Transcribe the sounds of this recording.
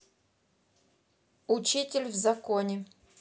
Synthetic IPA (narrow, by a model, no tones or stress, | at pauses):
ʊt͡ɕitʲɪlʲvzɐkonʲɪ